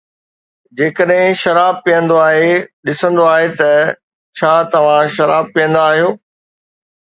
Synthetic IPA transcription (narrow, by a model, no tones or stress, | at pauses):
d͡ʑeːkəɗɦɪ̃ʃɐɾaːb̚pijə̃nd̪oaːɦeɗɪsə̃nd̪oaːɦet̪ɐ | t͡ɕʰaːt̪ɐʋ̤ãʃɐɾaːb̚pijə̃nd̪aːɦijoː